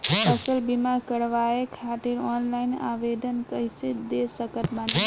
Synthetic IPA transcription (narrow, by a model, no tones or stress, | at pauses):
kəsəlbimakəɽʋaekʰat̪iɾɔnlajna̰bed̪ənkəjsid̪esəkət̪mat̪